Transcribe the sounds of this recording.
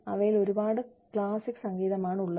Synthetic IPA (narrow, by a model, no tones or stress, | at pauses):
ɐ̰ʋɐjilo̞ɾubaːɽɨ | kɭaːsikːsɐŋɡiːðɐmaːɳuɭːɐ